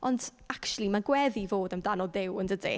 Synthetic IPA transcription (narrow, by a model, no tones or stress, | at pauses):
ʔɔnd | akt͡ʃulˠimaɡwɛðivoːdəmdanɔdɪwəndədḛ